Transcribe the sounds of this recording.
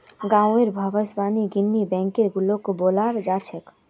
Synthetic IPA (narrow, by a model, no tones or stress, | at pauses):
ɡãːeɾbʱəbəsbaːniɡinːibɛ̃ːŋkeɾɡulokobolaɾd͡ʒat͡ʃʰɛk